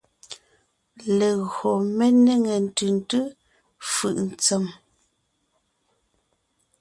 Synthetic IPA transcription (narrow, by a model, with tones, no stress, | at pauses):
le˨ɣo˨me˦ne˦ŋe˨n̩˨tʉ˨n˨tɯ˦ | fɯ̰˨ʔn̩˨t͡se˨m